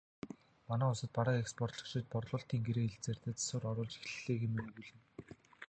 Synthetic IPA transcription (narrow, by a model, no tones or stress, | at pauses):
manæːʊsə̆t̪̚paɾaːkekspʰɔr̥t̪ɮɞ̥̆kʃĭːt̪̚pɔrɮʊːɬt̪iːŋɡeɾeːeɮt͡seːrt̪eːt͡sḁsʊːrɔɾʊːɮt͡ɕi̥xɮɮeːɣeːmeneɣuːɮɘ̆n